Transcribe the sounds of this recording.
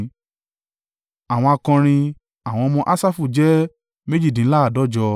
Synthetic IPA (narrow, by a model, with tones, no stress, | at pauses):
a˨w̃ɔ̃˧a˧kɔ̃˧ɾ̃ĩ˧ | a˨w̃ɔ̃˧mɔ̃˧ʔa˦sa˦fu˦˨d͡ʒɛ˦ | me˦d͡ʒi˦˨dĩ˨˦la˦a˦˨dɔ˦d͡ʒɔ˧